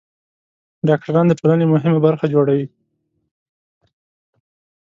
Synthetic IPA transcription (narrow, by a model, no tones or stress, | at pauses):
ɖɑk̚ʈaɾɑnd̪əpəlanemʊɦɪmabaɾxad͡ʒoɽawi